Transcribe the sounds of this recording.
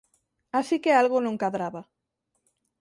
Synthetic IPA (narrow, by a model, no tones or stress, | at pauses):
asikealɣonũŋkaðɾaβa